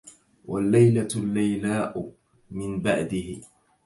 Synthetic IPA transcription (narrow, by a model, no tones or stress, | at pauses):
walːajlalːajlaːʔʊ | mɪnbaʕd̪ɪhɪ